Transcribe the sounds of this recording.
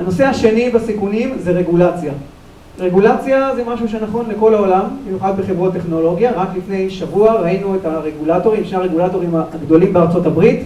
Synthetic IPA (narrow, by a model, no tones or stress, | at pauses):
ano̞se̞haʃe̞nibasikunimzeʁe̞ɡulat͡sja | ʁe̞ɡulat͡sjazemaʃuʃ̬enaχo̞nleko̞lao̞lamnijuχad̪̚beχevʁot̪e̞χno̞lo̞ɡjaʁaklifne̞jʃavuaʁainuetaʁe̞ɡulato̞ʁimʃnaʁeɡulato̞ʁimaːɡd̪o̞limbeaʁt͡so̞tabʁit